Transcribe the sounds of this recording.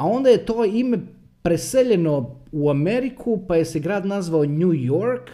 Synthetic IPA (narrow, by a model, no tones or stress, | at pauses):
ao̞nd̪aje̞t̪oːime̞ | pɾeseʎe̞no̞uameɾikʰupaje̞seɡɾaːd̪nazʋaoɲujoɾk